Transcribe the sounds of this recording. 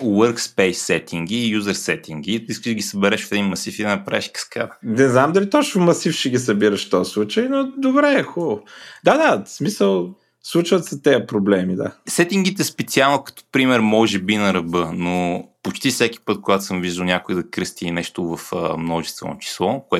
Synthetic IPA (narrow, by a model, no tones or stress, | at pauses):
wəɾkspɛjsɛt̪iŋɡ̟ijuzɐɾsɛt̪iŋɡiiskəʒd̪ɡʲisɐbɛɾɛʃo̥fɛd̪inmɐsifid̪ɛnɐpɾʔɛʃkə̥ska̰t̪nɛznamd̪ɐlit̪ɔt͡ʃnʊmɐsifʃɛɡʲisɐbiɾəʃt̪ɔslˠut͡ʃəjnod̪obɾɛxɔlˠod̪ad̪asmisəlˠ | slˠut͡ʃvət̪sɐt̪ɛjəpɾoblɛmid̪a̰sɛt̪iŋɡ̟it̪ɛɛspɛt̪sialˠnokɐ̥t̪o̥pɾimɛɾmɔʒɛbinɐɾɐbɤnopot͡ʃt̪ifsɛk̟ʲi̥pɤt̪̚koɡat̪ʊ̥səmviʒd̪əlˠnʲakoid̪ɐkɾɤst̪inɛʃt̪ʊvɐfəmnɔʒɛst̪vɛ̰no̰t͡ʃi̥slˠɔkoɛ